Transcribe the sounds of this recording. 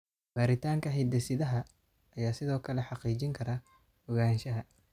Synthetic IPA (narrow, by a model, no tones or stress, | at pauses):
b̥aːɾɪt̪ʰaːŋkʰɐɦid̪ɛsɪðɐɦɐ | ɐjaːsɪðɔːkʰɐlɛħɑqiːt͡ʃɪŋkʰɐɾɐ | ʊɣaːnʃɐɦɐ